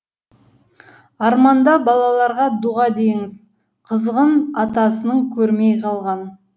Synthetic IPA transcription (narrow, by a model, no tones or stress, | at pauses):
ɑɾmɑnd̪ɑbɑlˠɑlˠɑɾʁɑd̪uʁɑd̪eŋɪz | qʰəzəʁəmɑt̪ɑsənəɴkʲʰɵɾmejqʰɑlˠʁɑn